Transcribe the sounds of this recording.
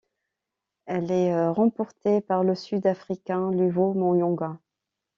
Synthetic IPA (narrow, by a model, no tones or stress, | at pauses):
ɛlɛʁɑ̃pɔʁt̪epaʁləsyd̪afχikʲɛ̃lyvomɔ̃jɔ̃ɡa